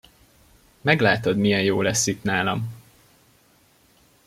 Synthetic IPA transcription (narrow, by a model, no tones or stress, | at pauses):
mɛɡlaːt̪od̪mijɛnjoːlɛsːit̪naːlɒm